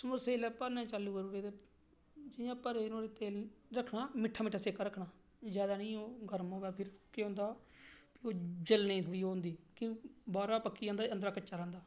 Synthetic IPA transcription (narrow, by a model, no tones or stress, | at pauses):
sməseːlɛːpəɾnɛ̃ːt͡ʃalːuːkəɾuɾeːd̪eː | d͡ʒɪjãːpəɾeːnõːɾet̪eːlɾəkʰːɳaːmɪʈʰːaːmɪʈʰːaːseːkaːɾəkʰɳaː | d͡ʒjaːd̪aːnəĩːoːɡʱəɾmõːʋɛːpʰɪɾkeːʊ̃nd̪aː | pɪoːd͡ʒəlnəĩːt̪ʰoɽiːoːnd̪iːkĩbaːɾaːpəkːiːãːnd̪aːənd̪ɾaːkət͡ʃːaːɾɛ̃ːnd̪aː